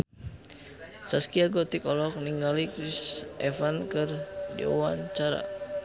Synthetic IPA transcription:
saskiaɡɔt̪ikɔlɔk̚niŋɡalikɾisɛfankɨrdḭṵwaɲt͡ʃaɾa̰

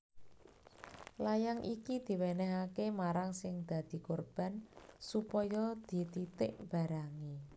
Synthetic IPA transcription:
lajaŋʔikid̪̥i̤wɛnɛɦakemaɾaŋsɪŋd̪̥ä̤d̪̥i̤korb̥a̤nsupɔjɔd̪̥i̤t̪it̪ɪʔb̥a̤ɾaŋi

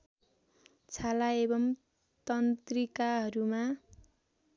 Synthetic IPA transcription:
t͡sʰalaebʌm | t̪ʌnt̪rikaɦʌɾuma

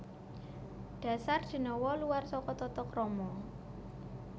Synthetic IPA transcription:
ɖ̥ä̤sard̪̥i̤nɔwɔluarsɔkɔt̪ɔt̪ɔkrɔmɔ

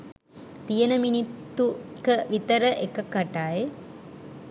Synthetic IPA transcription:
t̪ijənəminit̪ːukəʋit̪əɾəʔekəkːaʈaːje

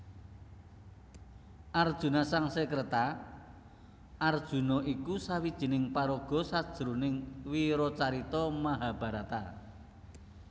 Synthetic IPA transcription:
ʔard̥ʒ̥ṳnasaŋsəkɾet̪a | ʔard̥ʒ̥ṳnɔʔikusawid̥ʒ̥i̤nɪŋpaɾoɡ̥ɔ̤sad̥ʒ̥əɾunɪŋwiɾɔt͡ʃaɾit̪ɔmaɦab̥ä̤ɾat̪a̰

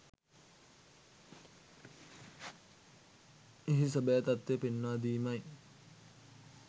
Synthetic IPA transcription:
eɦis̬əbəjat̪at̪ːepenːaːd̪iːmɐj

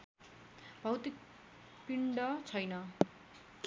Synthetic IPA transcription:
b̥ʱʌwt̪ik̚ | piɳɖʌt͡sʰʌjnʌ

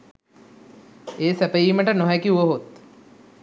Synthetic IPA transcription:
eːsæpəiːməʈənoɦɛkiuʋəɦot̪

